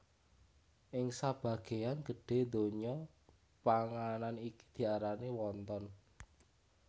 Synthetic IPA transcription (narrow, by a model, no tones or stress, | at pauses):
ʔɪŋsab̥a̤ɡ̥e̤anɡ̥ə̤ɖ̥e̤d̪o̤ɲɔ | paŋananiki̥d̪̥i̤aɾaniwɔnt̪ɔn